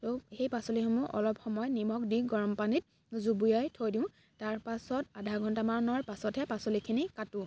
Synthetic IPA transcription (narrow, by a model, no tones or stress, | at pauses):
toxejpasolixɔmuʔɔ̰lɔpxɔmɔjnimɔkdiɡɔɹɔmpanit̚ | zubujajtʰojdĩʊ̃ | taɹpasɔtadʱaɡʱɔntamaɹɔnɔɹpasɔtɦɛpasolikʰinikatũ